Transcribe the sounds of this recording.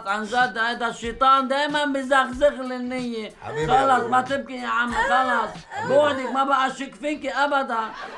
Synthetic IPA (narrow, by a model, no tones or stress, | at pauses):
t̪ʕanʒad̪hajd̪aʃːit̪ˤɑːnd̪aːjmanbɪzaxzɪɣlɪnːɪjːeɣɑlɑsˤmat̪ɪb̚kiʕamːlxɑlɑsˤ | bʊʕd̪ɪkmabaʔaʃɪkfikiʔabad̪an